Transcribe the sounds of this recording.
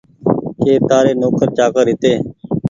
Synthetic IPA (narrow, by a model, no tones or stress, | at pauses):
keːt̪aːɾeːnoːkəɾt͡ʃaːkəɾɦɪt̪eː